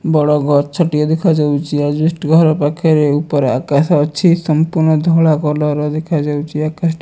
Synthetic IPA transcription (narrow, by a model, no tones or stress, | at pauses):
bɔɽɔɡʱɔɾt͡ʃʰɔʈiɔd̪ekʰad͡ʒawt͡ʃʰiad͡ʒisʈɡʱɔɾɔpakʰeɾeupɔɾea̰kasɔt͡ʃʰisɔmpuɾnɔd̪ʱɔɭakɔlɔɾɔd̪ekʰad͡ʒawt͡ʃʰiakas